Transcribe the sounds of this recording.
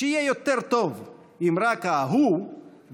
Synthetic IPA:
eijɛjot̪eʁt̪ov | imɾakaɦu | v

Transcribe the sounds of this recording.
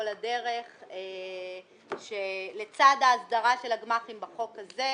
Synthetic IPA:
oladeʁe̞χe | ʃelet͡sad̪aːsd̪aʁaʃe̞laɡmaχimbaχo̞kaze

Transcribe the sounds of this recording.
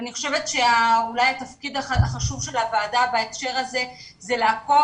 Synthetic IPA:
aniχo̞̥ʃevetʃeaulajat̪afkid̪aaaχaʃuvʃe̞lavaːdabaekʃe̞ʁaze̞ | zeleako

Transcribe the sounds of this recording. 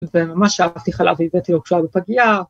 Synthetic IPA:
vemamaʃaav̥t̪iχala̰vivet̪ilokʃuabepaɡia

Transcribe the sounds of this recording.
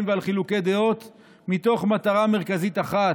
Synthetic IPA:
mvealχiluke̞d̪eo̞t̪ | mit̪o̞χmat̪aʁame̞ʁkazit̪aχa

